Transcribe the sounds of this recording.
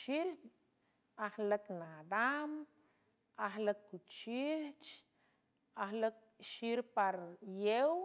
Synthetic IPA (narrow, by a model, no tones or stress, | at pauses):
ʃiɾ | ahləknad̪am | ahləkːut͡ʃiht͡ʃ | ahlək̚ʃiɾpaɾjew